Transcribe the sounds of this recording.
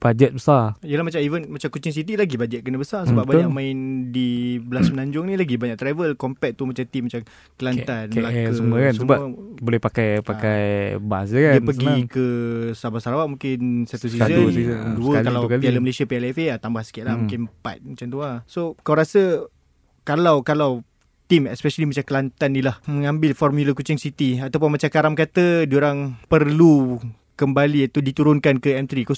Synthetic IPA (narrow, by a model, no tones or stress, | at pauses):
b̥ad͡ʒɛt̪̚bəsarjəlahmat͡ʃamivənmat͡ʃamkut͡ʃɪŋs̬it̪̬ilaɡibad͡ʒət̪̚kənabəsarsəbap̚baɲakmãɪndibəlasmənaɲd͡ʒʊŋnilaɡibaɲaʔ̚t̪ɾavəlkɔmpɛt̪̚t̪umat͡ʃat̪imat͡ʃam | kəlant̪anməlakəuməkansusəmbaəbolɛhpakajpakajbas̬d͡ʒəkdaiəpəɡikəsabasaɾawaʔmũŋkɪnsat̪us̬izəsiduəkalawkaialəməlesiapiɛlɛfeat̪ambahsə̥kiaʔlamũkɪnpa̰t̪̚mat͡ʃant̪uasokawɾasə | kalawkalaw | t̪imɛspɛʃalimat͡ʃamkəlant̪anːilahmə̃ŋãmbɪlfɔrmjuləkut͡ʃɪŋsit̪iat̪awp̬ʊnmat͡ʃakaɾamkat̪əduɾaŋpərlu | kəmbaliat̪udit̪uɾʊnkankəɛmt̪ɾiko